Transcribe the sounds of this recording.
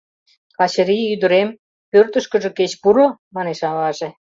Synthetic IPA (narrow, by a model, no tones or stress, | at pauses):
kɑt͡ɕəɾiyd̪ə̆ɾem | pørt̪əʃkə̆ʒə̆ket͡ɕpuɾomɑneʃɑlɑʒĕ